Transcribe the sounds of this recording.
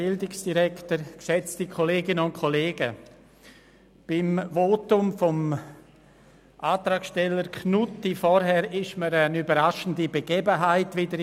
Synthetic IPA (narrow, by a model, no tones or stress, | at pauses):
ɪldɪksd̥iɾɛktəɾksɛt͡stikʰoleːɡɪnəʊnkʰɔleːɡə | b̥ɪmvoːtʊmfɔm | ʔaːtɾaːkʃtɛlːəɾkʰnutːifɔɾɦɛɾɪʃməɾənybəɾaʃən̩dibeɡeːbəɦaɪtʋɪdəɾ